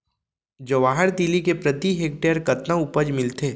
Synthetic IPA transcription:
d͡ʒɐʋaːɦəɾd̪ilikepɾɐt̪iɦeːk̚ʈejəɾkɐt̪nãʊpəd͡ʒmɪlt̪eː

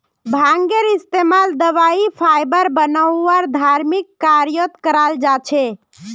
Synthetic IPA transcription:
bʱãŋɡeɾist̪emald̪əʋaipʰajbəɾbənəwːaɾd̪ʱaɾmikːaɾjot̪kəɾald͡ʒat͡ʃʰe

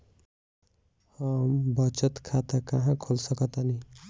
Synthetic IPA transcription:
hʌmbʌt͡ʃʌt̪kʰat̪akʌɦãkʰolsʌkʌt̪ani

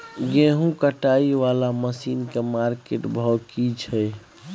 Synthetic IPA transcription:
ɡẽɦũkəʈaiʋalaməsiːnkemaɾkeʈbʱɔkit͡ʃʰɛ

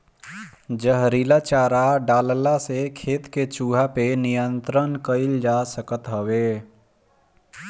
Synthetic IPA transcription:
d͡ʒəɦɾilat͡ʃaɾaɖaːllasekʰeːt̪ket͡ʃuɦapenijənt̪ɾənkəɪld͡ʒasəkət̪ɦəwe

